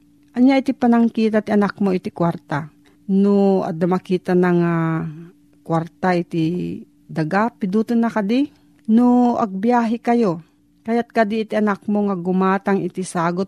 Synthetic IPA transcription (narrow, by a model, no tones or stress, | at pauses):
ʔɐnjaʔit̪ipɐnɐŋkiːt̪at̪ɪʔɐnak̚moɪt̪ɪkwaɾt̪a | noa̰d̪namɐkiːt̪anaŋa | kwaɾt̪aʔɪt̪ɪ | d̪aɡapɪd̪uːt̪ʊnːakad̪i | noɐ̰ɡ̚bjaːɦɪkɐjo | kajat̪̚kad̪iːt̪iʔɐnak̚moŋaɡʊmaːt̪aŋɪt̪ɪsaːɡot̪̚